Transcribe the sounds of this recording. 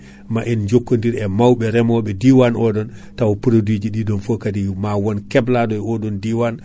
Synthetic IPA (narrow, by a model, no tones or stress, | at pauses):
maʔind͡ʒokːondiɾɛmawɓɛɾɛmɔɓɛdiwanʔɔɗɔntawɔpuɾodid͡ʒiɗidɔnfokadimawɔnkɛbladɔɛɔɗɔndiwan